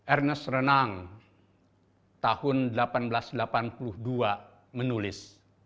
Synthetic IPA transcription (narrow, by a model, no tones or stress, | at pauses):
ʔɛrnəsrənaŋ | t̪ahʊndəlapanbəlasdəlapanpuluhdua | mənulɪs